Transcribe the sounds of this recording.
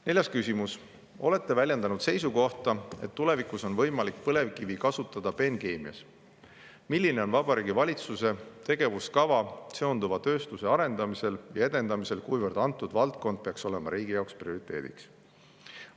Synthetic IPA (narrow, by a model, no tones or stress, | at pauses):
ne̞ljɑskysʲimus | o̞le̞t̪ˑːe̞vælʲjend̪ɑnud̪se̞jsuko̞ht̪ɑe̞t̪ːule̞vikuso̞nvɤjmɑlik̚pɤle̞vkivikɑsut̪ːˑɑd̪̥ɑpe̞nke̞ːmiɑ̰s | milːine̞o̞nvɑbɑɾiːɡivɑlʲit̪suse̞t̪e̞ɡe̞vuskɑvɑse̞o̞nd̪uvɑt̪ø̞ːst̪use̞ɑɾe̞nd̪̥ɑmise̞ljɑe̞d̪e̞nd̪̥ɑmise̞lkujvərd̪̥ɑnt̪ːˑud̪vɑlt̪̚ko̞nd̪̥̚peɑkso̞le̞mɑ̰ɾiːɡijɑwksprio̞ɾit̪ːˑe̞̰ːd̪̥ḭks